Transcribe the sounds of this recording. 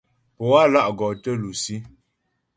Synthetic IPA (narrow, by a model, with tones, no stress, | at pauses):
pɔ˨a˦la˦ʔɡɔ˨tə˦lu˨si˦